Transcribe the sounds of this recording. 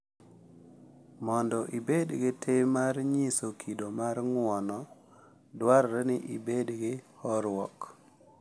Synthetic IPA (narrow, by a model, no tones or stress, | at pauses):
mɔndɔʔibedɡɪtʰemaɾɲisokʰidomaɾŋwɔnɔ | dwaɾɾɛnɪʔibedɡɪhɔɾwɔk